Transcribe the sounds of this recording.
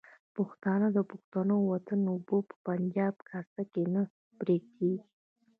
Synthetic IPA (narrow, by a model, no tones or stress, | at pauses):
pʊxt̪ɑnad̪əpʊxt̪anowat̪anʊbopə̥pand͡ʒɑb̚kʰassakenə | bɾeɡ̚kʰeɡi